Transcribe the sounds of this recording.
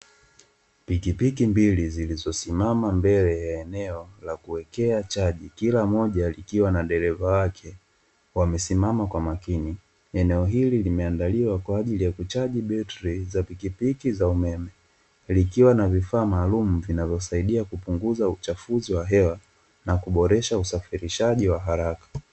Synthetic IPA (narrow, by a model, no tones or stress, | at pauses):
pikipikimbilizilizɔsimamambɛlɛjaɛnɛɔlakuwɛkɛat͡ʃaʄikilamɔʄalikiwanaɗɛɾɛvawakʰɛ | wamɛsimamakwamakini | ɛnɛɔɦililimɛandaliwakwaːʄilijakut͡ʃaʄiɓɛtɾizapikipikizaumɛmɛ | likiwanavifaːmaːlum̩vinavjɔsaiɗiakupuŋɡuzaut͡ʃafuziwaɦɛwa | nakuɓɔɾɛʃausafiɾiʃaʄiwaɦaɾakḁ